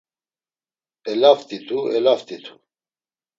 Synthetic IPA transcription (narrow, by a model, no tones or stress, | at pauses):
ɛlaft̪ʼit̪ʰuɛlaft̪ʼit̪ʰu̥